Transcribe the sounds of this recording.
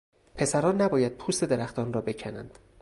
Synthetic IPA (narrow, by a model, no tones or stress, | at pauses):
pʰe̞sæɾɒːnːæbɒːjæd̪̚pʰuːst̪e̞d̪e̞ɾæxt̪ʰɒːnrɒːbe̞cʰænæ̰nd̪̥